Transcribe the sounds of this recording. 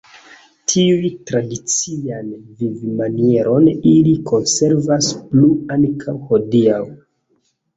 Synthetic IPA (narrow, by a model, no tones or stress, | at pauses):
tʰiujtɾadit͡sianvivimanie̞ɾʔo̞nilikʰo̞nse̞ɾvaspluaŋkʰawho̞diaw